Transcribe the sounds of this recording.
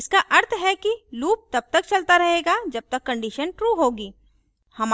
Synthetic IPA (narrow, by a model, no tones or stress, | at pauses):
ɪskaʔɐɾt̪ʰɦɛkiluːp̚t̪ɐb̚t̪ɐk̚t͡ʃɐlt̪aɾɐɦeːɡad͡ʒɐb̚t̪ɐkːɐ̃ɳɖiʃənʈɾuːɦoːɡiː | hɐm